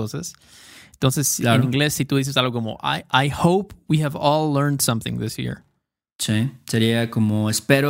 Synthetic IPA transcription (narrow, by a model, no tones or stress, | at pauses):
osas | ent̪o̞nsesaenĩŋɡle̞sːit̪uðis̬es̬alɣokomo̰ʔa̰jʔajhowpwihævɔlːɜɹnd̪sʌ̃mθɪ̰̃ŋðɪsjḭɹ | siseɾiakomoespeɾo